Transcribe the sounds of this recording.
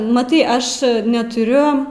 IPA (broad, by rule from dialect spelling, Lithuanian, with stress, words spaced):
mɐˈtɐɪ ˈɐʃ nʲɛtʊˈrʲʊ